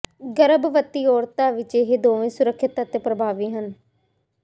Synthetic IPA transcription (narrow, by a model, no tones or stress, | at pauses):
ɡəɾəbʋət̪iːɔːɾt̪aːʋɪt͡ʃeɦeːd̪oːʋẽːsʊɾəkʰːɪt̪aːt̪eːpɾəbʱaːʋiːɦən